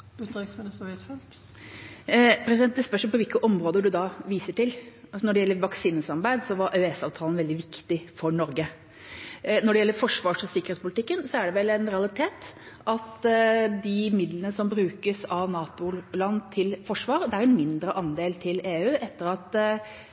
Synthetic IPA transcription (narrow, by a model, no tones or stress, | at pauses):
ʉːt̪ʏksmɪnsuɛt̪fɛnsk | pʰɾɛsd̪ɛnt̪ːɛspœʂməlpɔʋɪlkəʔɔmɾoːd̪əɖʉd̪ɑʋiːsəʈɪlɑsnɔɖɛjɛlːəɾʋɑksiːnəsɑɾbæɪd̪sɔʋɑɾʔœɛsɑːʋt̪ʰɑːlnʋɛld̪ɪʋɪkt̪ɪfɔɳɔɾɡə | nɔɖɛjɛlːəɾfɔʂʋɑːʂɔsɪkːəɾet̪spʊlɪt̪ɪkːənsɔæɖɛʋɛlɛnɾɛɑlɪt̪ʰeːt̪ | ʔɑt̪d̪ɪmɪd̪lənəsɔmbɾʉːkəsɑʋnɑːt̪ʊlɑnːt̪ʰɪlfɔʂʋɑːɾd̪ɛæɾɛnmɪnd̪ɾəʔɑnd̪eːlt̪ʰɪleːʉːʔɛt̪ːəɾɑt̪